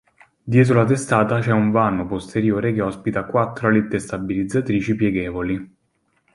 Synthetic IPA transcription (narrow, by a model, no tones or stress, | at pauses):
d̪jɛːt̪̬ɾolat̪est̪aːt̪at͡ʃɛuɱvaːnopost̪eɾjoːɾekeɔspit̪akwat̪ːɾoalet̪ːest̪abilid̪zat̪ɾiːt͡ʃipjɛɡɛːvoli